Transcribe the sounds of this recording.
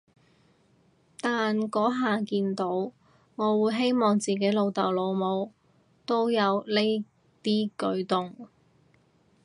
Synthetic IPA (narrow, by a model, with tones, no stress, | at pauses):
t̪aː˨nkɔː˨˥ɦaː˨kiː˧nt̪o˨˥w | ŋɔː˨˧wuː˨˧jɦe˥jmɔː˨˧ŋt͡siː˨ke˨˥lo˨˧wt̪ɐ̰˨˩wlo˨˧wmo˨˧w | t̪o˥wjɐ˨˧wle˥ | t̪iː˥kɵ˨˥ɥt̪ʊ˨ŋ